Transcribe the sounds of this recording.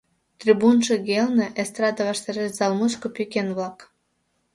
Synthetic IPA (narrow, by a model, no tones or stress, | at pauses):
t̪rʲibunʃĕɣelnĕʔest̪rɑd̪ɑβɑʃt̪ɑɾeʃz̥ɑlˠmut͡ɕkopykʲenβlɑk